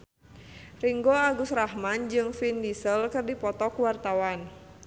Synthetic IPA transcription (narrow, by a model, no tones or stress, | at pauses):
riŋɡoaɡusrahmand͡ʒɨŋfindisəlkɨrdipɔt̪ɔkwart̪awan